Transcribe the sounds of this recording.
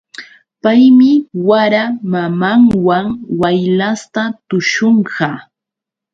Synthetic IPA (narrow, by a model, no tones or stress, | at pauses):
pajmɪwaɾamamaŋwaŋwajlast̪at̪ʊʃoɴɢɑ